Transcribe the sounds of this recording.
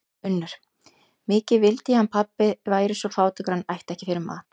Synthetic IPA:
ʏnːʏɾ̥ | mɪːcɪvɪlt̪ɪhanpʰapːɪðvaːjɾɪsɔfaːwt̪ɪkɾ̥anːajht̪ɛhcɪfɪɾɪma̰ːt̪

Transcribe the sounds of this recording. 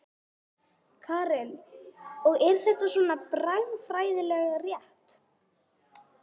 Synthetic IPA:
kʰaːɾɛl | ɔɣɛɾ̥θɛht̪asvɔːnapɾajðfɾaːjðɪlɛɣarjɛht̪

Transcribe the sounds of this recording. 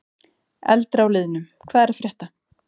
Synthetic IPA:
ɛ̰lt̪ɾawlɪːðʏnʏm | kʰvaːðɛɾfɾjɛht̪a

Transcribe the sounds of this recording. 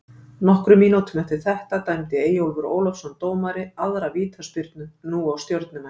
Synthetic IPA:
nɔhkɾʏminut̪ʏmɛft̪ɪɾ̥θɛht̪at̪ajmt̪ɪeːjowlvʏɾo̰ːwlɔfsɔnt̪oːwmaɾɪaðɾaviːt̪ʰaspʏɾt̪̚nʏnuawst̪jowɾt̪nʏman

